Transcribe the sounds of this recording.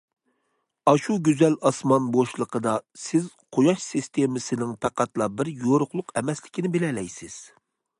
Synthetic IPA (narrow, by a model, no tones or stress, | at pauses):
ɑʃuɡʲyzɛlɑsmɑnboʃlˠəqʰəd̪ɑsɪzqʰojɑʃsist̪ʰemɪsɪnɪŋpʰæqʰæt̪lˠɑbɪɾjoɾʊχlˠʊqɛmɛslɪkʲinɪbɪlɛlɛjsɪz̥